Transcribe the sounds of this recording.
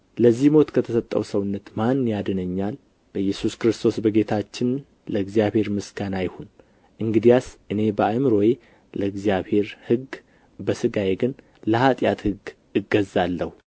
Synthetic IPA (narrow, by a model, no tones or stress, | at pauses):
ləzːihmo̞t̪kʰət̪ʰəsət̪ʼːə̰wsəwʊnːət̪manːjad̪ɨnəɲːal | b̥əjɛsuskɾɨst̪ʰo̞sbəɡe̞t̪ʰat͡ʃːɪn | ləɨɡzijaβhe̞ɾmɨsɡanajhon | ʔɨŋɡɨd̪ijasʔɨne̞bəamɨɾo̞je | ləɨɡzijaβhe̞ɾhɨɡ | bəsɨɡajeɡɨn | ləhat̪ʼjat̪hɨɡ | ɨɡːəzːalːəhu